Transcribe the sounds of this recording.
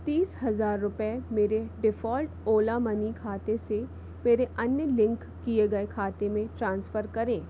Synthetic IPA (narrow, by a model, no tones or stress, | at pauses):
t̪iːsɦɐzaːɾːʊpemeːɾeɖɪfɔːlʈoːlamɐnikʰaːt̪ese | meːɾeɐnjəlɪ̃ŋkːieɡɐekʰaːt̪emẽʈɾãːnsfəɾkɐɾẽː